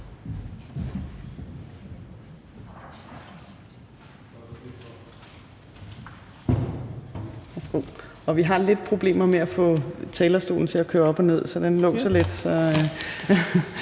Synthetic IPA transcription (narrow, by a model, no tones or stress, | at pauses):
ʋæsɡ̥o̰ɒ̽ʋiɦɑ̈le̝d̥̚pʰʁo̝b̥le̝̰ːmɐmeæfɔ̰̽ːt͡sʰɛːlɐsd̥o̝̰ːln̩t͡sʰe̝ækʰøːɐɒ̽b̥ɒne̝ð̞̰ˠsɒ̽d̥enlɔ̰ːsɒ̽le̝d̥sɒ̽